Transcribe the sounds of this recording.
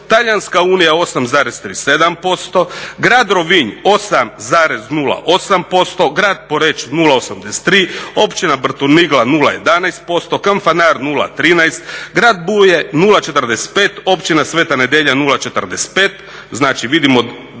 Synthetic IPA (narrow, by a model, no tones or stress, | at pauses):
t̪aʎanskauːnijao̞samzaːɾest̪ɾiːsed̪ampo̞st̪o̞ɡɾaːd̪ɾo̞ʋiɲo̞samzaːɾe̞znuːlˠa̰ʔo̞sampo̞st̪o̞ɡɾaːd̪̚poɾet͡ʃnuːlˠaosamd̪ese̥t̪ːɾiːo̞pt͡ʃinabr̩t̪uniɡlˠanulˠa̰jed̪anajst̪̚po̞st̪o̞kaɱfanaːɾnuːlˠa̰t̪ɾiːnajst̪ɡɾaːd̪̚bujenuːlˠat͡ʃet̪ərd̪ese̥t̪̚peːt̪o̞pt͡ʃinasʋeːt̪ane̞d̪jeʎanuːlˠat͡ʃet̪ərd̪est̪̚peːt̪ | znaːt͡ʃiʋid̪imo